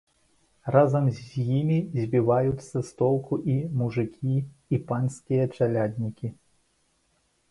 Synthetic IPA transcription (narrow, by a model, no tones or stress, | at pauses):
razɐmzʲjimʲizʲbʲivajut̪sːɐst̪ɔlˠkuʔimuʐɨkʲʰiː | panʲsʲkʲijɐt͡ʂalʲad̪ʲnʲikʲi